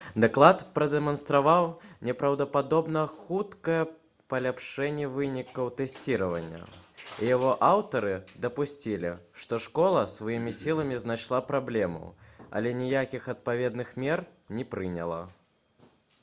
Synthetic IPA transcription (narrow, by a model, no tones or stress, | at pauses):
d̪aklˠat̪pɾɐd̪ɛmɐnst̪ɾavawnʲɛpɾɐwd̪ɐpad̪ɔbnɐxut̪kɐjɛ | pɐlʲapʂɛnʲːɛvɨnʲikɐwt̪ɛsʲt͡sʲiɾɐvɐ̰nʲːɐ̰ijaɣɔʔawt̪ɐɾɨd̪ɐpusʲt͡sʲilʲḭʂt̪ɔʂkɔlˠɐsvajimʲisʲilˠɐmʲiznaʂlˠapɾablʲɛmṵɐ̰lʲɛnʲijakʲixɐt̪̚pavʲɛd̪nɨxmʲɛrnʲɛpɾɨnʲɐlˠɐ̰